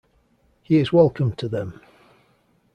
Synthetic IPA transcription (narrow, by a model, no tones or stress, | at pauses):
hiɪzwɛlˠkʰə̃mtʰəðə̃m